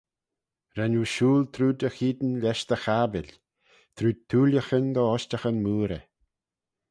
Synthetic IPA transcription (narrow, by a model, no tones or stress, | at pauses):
ɾɛnuːʃuːlt̪ʰɾuːd̪əxiːd̪ənlʲɛʃt̪əxabɪlʲ | t̪ʰɾuːd̚t̪ʰːuːləxənd̪ɔɔʃtaxənmuːɾə̰